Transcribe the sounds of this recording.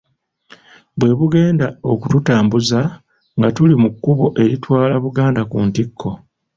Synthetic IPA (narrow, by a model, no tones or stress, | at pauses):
bwe̞βuɡe̞ːndao̞kututaːmbuza | ŋɡatulimukːuβo̞ʔe̞ɾitwaːlaβuɡaːndakuntikʰːo̞